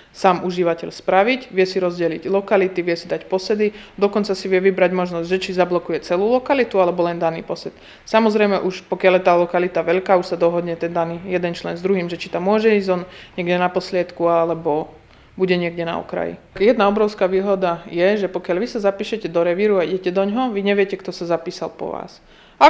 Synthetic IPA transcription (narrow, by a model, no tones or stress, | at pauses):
saːmʔuʒiʋacɛ̰ʎspɾaʋiɟʋɪɛsiɾɔzɟɛliɟlɔkalit̪iʋɪɛsid̪acpɔsɛd̪id̪ɔkɔnt͡sasiʋɪɛʋibɾaɟmɔʒnɔzɟʲʒɛt͡ʃizablɔkujɛt͡sɛluːlɔkalit̪ualɛbɔlɛnd̪anḭːpɔsɛt̪ | samɔzɾɛjmɛʔuʃpɔkɪaljɛt̪aːlɔkalit̪aʋɛʎkaːuʃsad̪ɔɦɔd̪ɲɛt̪ɛnd̪aniːjɛd̪ɛnt͡ʃlɛnzd̪ɾuɦiːmʒɛt͡ʃi̥t̪amːʊɔʒɛiːzɔnɲɪɛɡɟɛnapɔslɪat̪kualɛbɔ | buɟɛɲɪɛɡɟɛna̰ɔ̰kɾa̰jḭ | jɛd̪naɔbɾɔʊskaːʋiːɦɔd̪ajɛʒɛpɔkɪaʎlʋisazapiːʃɛcɛd̪ɔɾɛʋiɾuaiɟɛcɛd̪ɔɲɦɔʋiɲɛʋɪɛcɛkt̪ɔsazapiːsalpɔ̰ʋa̰ːs | a